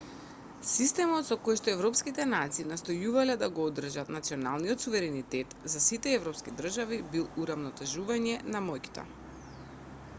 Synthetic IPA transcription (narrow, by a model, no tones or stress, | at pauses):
sist̪ɛmɔt̪sɔkojʃt̪ɔɛvɾɔpskit̪ɛnat̪siːnast̪ɔjuvalɛd̪aɡɔɔd̪r̩ʒat̪nat̪siɔnalˠnijɔt̪suvɛɾɛnit̪ɛt̪zasit̪ɛɛvɾɔpskid̪r̩ʒavibilˠuɾavnɔt̪ɛʒuvaɲɛnamɔjki̥t̪ɔ̰